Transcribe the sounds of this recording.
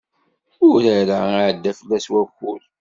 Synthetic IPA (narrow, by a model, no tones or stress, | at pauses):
ʊɾəɾaaʕəd̪ːæfəlːæswævxul